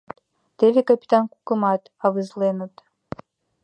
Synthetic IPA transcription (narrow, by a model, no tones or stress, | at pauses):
d̥evʲikʼapʰʲʼitʰʼankʷʰʼukʼɨmatʼavɨzlenutʼ